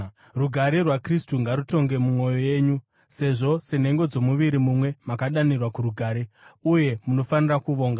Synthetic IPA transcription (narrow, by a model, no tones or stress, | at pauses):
ruɡʱaɾerwakristuŋɡaɾuto̞ŋɡe̞mumo̞jo̞je̞ːɲu | se̞ʐo̞se̞n̤e̞ŋɡo̞d͡zo̞muʋiɾimumwe̞makaɗanirwakuɾuɡʱaːɾeuje̞muno̞fanirakuʋo̞ːŋɡa